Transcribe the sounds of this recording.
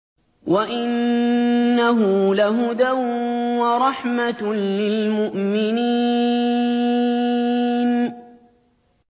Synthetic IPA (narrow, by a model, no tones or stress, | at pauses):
waʔɪnː | aɦʊlaɦʊd̪awwaɾˤɑħmalɪlmʊʔmɪniː | n